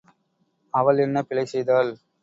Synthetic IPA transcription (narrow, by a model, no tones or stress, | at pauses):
ɐʋɐɭɛnːɐpɪlɐɪsɛjðaːl